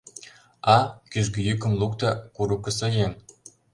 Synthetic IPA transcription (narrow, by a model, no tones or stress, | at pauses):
ɑkyʒɡyjykə̆mlukt̪ɑkuɾukə̆sɤjen